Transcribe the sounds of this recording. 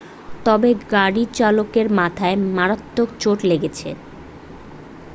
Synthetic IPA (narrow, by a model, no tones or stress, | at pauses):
t̪ɔbeɡaɽit͡ɕalokeɾmat̪ʰaemaɾat̪ːokt͡ɕoʈleɡet͡ɕʰḛ